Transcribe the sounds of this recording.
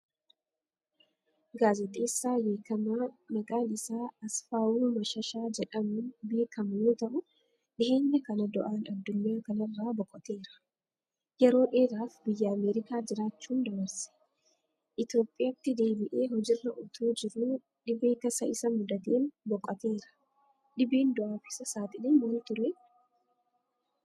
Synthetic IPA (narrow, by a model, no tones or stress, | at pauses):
ɡaːzɛt̪ʼe̞ːsːaːje̞ːkʰɐmaːnɐɡaːnɪsaːɐsfaːʔuːmɐʃɐʃaːd͡ʒɛᶑɐmʊnbe̞ːkɐmʊjo̞ːt̪ɐʔʊ | ᶑɪhe̞ːɲːɐkɐnɐd̪ɔʔaːnɐd̪ːʊɲːaːkɐnɐrːaːbɔkʼːɔt̪e̞ːɾɐ̥ | jɛɾo̞ːᶑeːɾaːfbɪjːɐɐmeːɾɪkaːd͡ʒɪɾaːt͡ʃːuːnd̪ɐbɐɾsɛ̥ | ʔɪt̪jo̞ːpʼːɪjɐt̪ːɪd̪e̞ːbɪʔeːɦɔd͡ʒɪrːɐʔʊt̪ʰuːd͡ʒɪɾuː | ᶑɪbeːt̪ɐsɐʔɪsɐmʊd̪ɐt̪eːnbɔkʼːɐt̪e̞ːɾɐ̥ | ᶑɪbeːnd̪ɔʔaːfɪsɐsaːt̪ɪleːnwɐlt̪ʊɾɛ